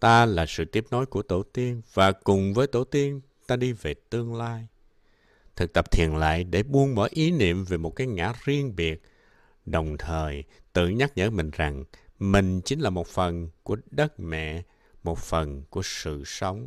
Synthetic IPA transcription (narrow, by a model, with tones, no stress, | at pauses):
t̪aː˧laː˨˩sɨ̰˧˨t̪i˦˥əp̚no˨˦jku˧˩ət̪u˧˩t̪i˧əŋvaː˨˩kʊ˨˩ŋ͡mvəː˨˦jt̪u˧˩t̪i˧ən | t̪aː˧ɗi˧ve˨˩t̪ɨ˧əŋlaː˧j | t̪ʰɨ˨˩k̚t̪ə˨˩p̚t̪ʰḭ˨˩ənla̰ː˧˨jɗe˧˩ɓu˧ənɓəː˧˩˦jʔi˨˦nḭ˧˨əmve˨˩mo˨˩t̚kaː˨˦jŋa̰ː˧˥zi˧ənɓi˨˩ət̚ | ɗə˨˩wŋ͡mt̪ʰəː˨˩jt̪ɨ̰˧˨ɲa˦˥k̚ɲə̰ː˧˥mï˨˩ŋ̟za˨˩ŋmï˨˩ŋ̟t͡ɕi˨˦ŋ̟laː˨˩mo˨˩t̚fə˨˩nku˧˩əɗə˦˥t̚mɛ̰˧˨ | mo˨˩t̚fə˨˩nku˧˩əsɨ̰˧˨sə˨˦wŋ͡m